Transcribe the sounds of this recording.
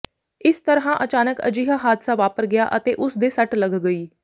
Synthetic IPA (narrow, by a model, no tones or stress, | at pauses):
ɪst̪əɾɦãːʔət͡ʃaːnəkə̰d͡ʒiːɦaːɦaːd̪saːʋaːpəɾɡɪja̰ːʔət̪eːʔʊsd̪eːsəʈləɡɡəiː